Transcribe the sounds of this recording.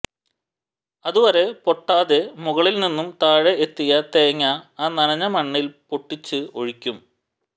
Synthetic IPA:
ɐðuʋɐɾe̞po̞ʈːaːðe̞muɣɐɭilninːumt̪aːɻeʔet̪ːijɐt̪ejɐŋːɐaːnɐnɐɲːɐmɐɳːilpoʈːit͡ɕːɨo̞̰ɻikʲːum

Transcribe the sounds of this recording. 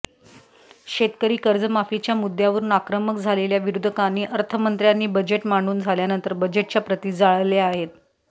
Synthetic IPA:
ɕet̪kəɾiːkəɾd͡zəmafit͡ɕjamud̪ʱjaʋəɾuːnakɾəməkd͡zʱaleljaʋiɾud̪ʱəkaniːʔəɾt̪ʰəmənt̪ɾjanːiːbəd͡ʑeʈmaɳɖuːnd͡zʱaljanənt̪əɾbəd͡ʑeʈ̚t͡ɕjapɾət̪iːd͡zaɭleaɦet̪

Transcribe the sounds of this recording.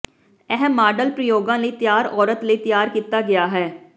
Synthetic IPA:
ɛɦəmːaːɖəlpɾəjoːɡãːləiːt̪ɪjaːɾɔːɾət̪ləiːt̪jaːɾkiːt̪aːɡɪjaːɦɛː

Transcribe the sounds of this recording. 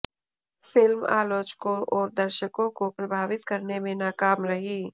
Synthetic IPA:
fɪlma̰ːloːt͡ʃkõʔɔːɾd̪ɐɾʃəkõkopɾɐbʱaːʋɪt̪kɐɾnemẽnaːkaːmɾɐɦiː

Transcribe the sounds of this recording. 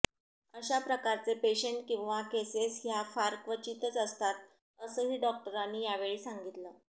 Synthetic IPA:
əɕapɾəkaɾt͡sepeɕəɳʈkĩw̃ʋakesesɦjafaɾkʋət͡ɕit̪ət͡səst̪at̪̚ | əsəːɦiːɖɔk̚ʈəɾanːiːjaʋeɭiːsaŋɡit̪ləː

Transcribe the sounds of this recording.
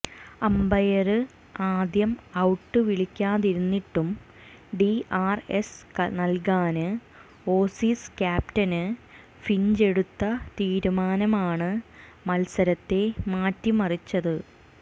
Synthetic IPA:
ɐmbɐjɐrɨ | aːd̪jɐmɐwʈːɨʋiɭikʲːaːðiɾunːiʈːum | ɖiʔaːrḛsknɐlkaːnɨ | o̞ːsiːskʲaːptɐnɨ | fiɲd͡ʑe̞ɽut̪ːɐt̪iːɾumaːnɐmaːɳɨ | mɐlsɐɾɐt̪ːe̞maːtːimɐrit͡ɕːɐðɨ

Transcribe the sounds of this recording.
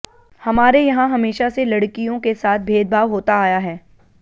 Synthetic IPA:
hɐmaːɾejɐɦãɦɐmeːʃaselɐɽkijõkesaːt̪̚ʰbʱeːd̪̚bʱaːʋɦoːt̪aaːjaɦɛː

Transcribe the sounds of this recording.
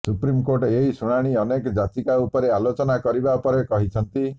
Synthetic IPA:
supɾimkoʈeɦisuɽ̃aɽ̃iɔnekɔd͡ʒat̪ikaupɔɾealot͡ʃɔnakɔɾibaupɔɾekɔɦit͡ʃʰɔnt̪i

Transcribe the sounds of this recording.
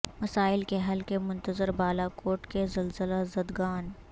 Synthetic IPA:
mɐsaːɪlkeɦɐlkemʊ̃nt̪əzəɾbaːlakoːɾʈkezɐlzəlazɐd̪ɡaːn

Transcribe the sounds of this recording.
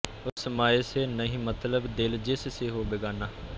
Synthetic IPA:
ʊsmaːeːseːnəɦĩːmət̪ləbd̪ɪld͡ʒesseːɦoːbeɡaːnaː

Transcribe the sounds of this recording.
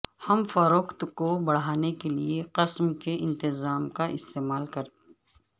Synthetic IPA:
hɐmfɐɾoːkt̪kobɐɽ̤aːnekelieqɪsmkeʔɪ̃nt̪ɪzaːmkaʔɪst̪eːmaːlkɐɾt̪

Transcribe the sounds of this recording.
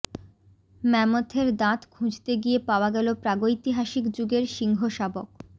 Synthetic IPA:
mɛmot̪ʰeɾd̪ãt̪kʰũd͡ʑt̪eɡiepaoaɡɛlopɾaɡojt̪iɦaʃikd͡ʑuɡeɾʃiŋɡʱoʃabok

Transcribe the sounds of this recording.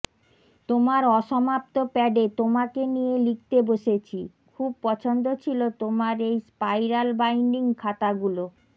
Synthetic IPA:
t̪omaɾɔʃɔmap̚t̪opɛɖet̪omakenijelik̚t̪eboʃet͡ɕʰi | kʰub̚pɔt͡ɕʰond̪ot͡ɕʰilot̪omaɾejspajɾalbajɳɖiŋkʰat̪aɡulo

